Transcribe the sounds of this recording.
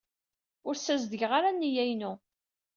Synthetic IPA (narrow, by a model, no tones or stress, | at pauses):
ʊɾsæzd̪əʝʁaɾanːijæjnu